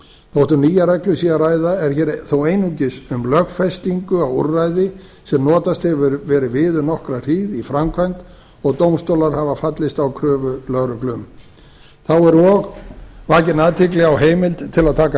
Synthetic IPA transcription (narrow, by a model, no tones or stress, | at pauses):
θowht̪ʏɾniːjaɾɛklʏsiːjaɾaːjðaɛɾ̥çɛːɾθowejnuɲcɪsʏmlœɣfɛst̪iŋkʏawṵrajðɪ | sɛmnɔːt̪ast̪hɛvvɾvɛːɾɪvɪːðʏnɔhkɾar̥iːðifɾamkʰvajnt̪ | ɔɣt̪owmst̪owlaɾ̥havafat̪lɪst̪awkʰɾœːvʏlœɣɾʏklʏm | θawɛɾɔɣvaːcɪnaːðt̪ʰɪklɪɣawɦeːjmɪlt̪t̪ʰɪlaðt̪ʰaːka